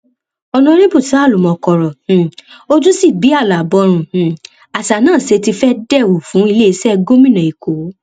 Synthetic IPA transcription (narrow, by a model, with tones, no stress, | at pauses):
ɔ˧nɔ̃˧˦ɾĩ˦bu˦˨ta˨˦˨lu˨mɔ̃˨kɔ˧˨ɾɔ̃˨o˦d͡ʒu˦si˦˨bi˨˦a˦˨la˨bɔ˨˧ɾ̃ũ˧˨ | a˨sa˨nãː˦˨se˧ti˧fɛ˦dɛ˦˨wu˨fũ˨˦i˧le˦i˧sɛ˦˧ɡo˦mĩ˦nã˨i˨ko˨˦